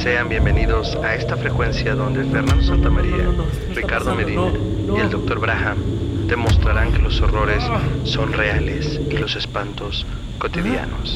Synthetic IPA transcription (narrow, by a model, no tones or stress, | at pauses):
se̞ambje̞mbe̞niðo̞sae̞st̪afɾe̞kwe̞nsjaðo̞nd̪e̞fe̞ɾnand̪os̬ant̪amaɾia̰ | rikaɾðo̞meɾineɾ | ie̞ld̪o̞k̚t̪o̞ɾβɾaxamd̪̥e̞mo̞st̪ɾaɾaŋke̞lo̞so̞ro̞ɾe̞sːo̞nre̞ale̞silo̞se̞spant̪o̞s | ko̞t̪iðja̰no̞s